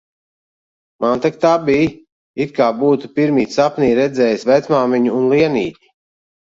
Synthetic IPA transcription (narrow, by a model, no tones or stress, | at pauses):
mant̪akt̪abʲij | it̪̚kaːbuːt̪upiɾmiːsapniːɾɛd̪zɛːjsvæt̪smaːmɛɲuːnlˠiɛnḭːt̪ʲi̥